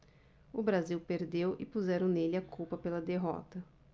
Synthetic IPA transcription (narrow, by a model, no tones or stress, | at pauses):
ʊbɾaziwpeɾd̪ewɪ̰puzɛɾɐ̃w̃nelɪakupɐpelɐd̪eɦɔ̰t̪ɐ